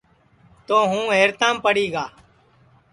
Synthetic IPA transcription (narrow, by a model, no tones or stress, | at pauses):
t̪oːɦũːɦeːɾt̪ãːmpəɽiːɡaː